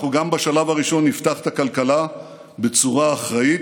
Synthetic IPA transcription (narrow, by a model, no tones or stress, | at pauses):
uɡambaʃalavaʁiʃo̞nːift̪aχe̥t̪akalkala | be̞t͡suʁaːχʁait